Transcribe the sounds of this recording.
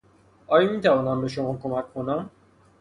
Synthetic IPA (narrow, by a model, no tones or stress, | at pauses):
ʔɒːjɒmiːt̪ʰævɒːnæmbe̞ʃomɒːkʰomækkʰːo̞næm